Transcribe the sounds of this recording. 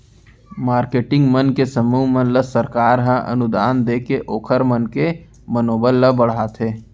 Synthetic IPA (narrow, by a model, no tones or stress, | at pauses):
maːɾkeːʈɪ̃ŋɡmənkesəmuːmə̃nləsəɾkaːɾɦə̃ʔə̰nʊd̪aːnd̪eːkeʔoːkʰəɾmənke | mənoːbəlːəbəɽ̤aːt̪ʰɦeː